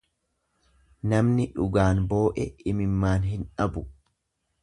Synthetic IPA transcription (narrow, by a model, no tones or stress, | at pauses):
nɐmnɪᶑʊɡaːnbo̞ːʔɛɪmɪmːaːnɦɪnᶑɐbʊ